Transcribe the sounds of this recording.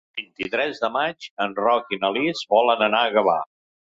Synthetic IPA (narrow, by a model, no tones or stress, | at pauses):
bint̪it̪ɾɛzðəmad͡ʒənrɔkinəlizβɔlənənaəɣəβa̰